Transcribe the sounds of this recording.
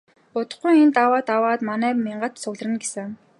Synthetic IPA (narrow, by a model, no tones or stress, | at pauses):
pʊt̪ə̆χɡujent̪awaːt̪awaːt̪manæːmeɴɢə̆t̪sʊɣɮrɘ̆nɡesɘ̆ŋ